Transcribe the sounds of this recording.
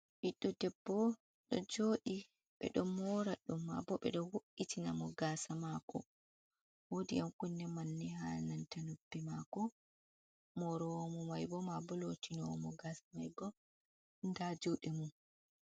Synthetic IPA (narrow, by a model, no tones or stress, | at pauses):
ʔiɗːɔdɛbːɔ | ɗɔd͡ʒoːɗi | ɓɛ̰ɗɔmːɔɾaɗumːa̰bɔɓɛ̰ɗɔwoʔitinamɔɡaːsamakɔ̰ | wodiamkunːɛmanːɛɦalnantanubːɛmakɔ | mɔɾɔwɔmɔmajbɔmabɔlotinɔwɔmɔɡaːsamajbɔ | ndad͡ʒoɗɛmum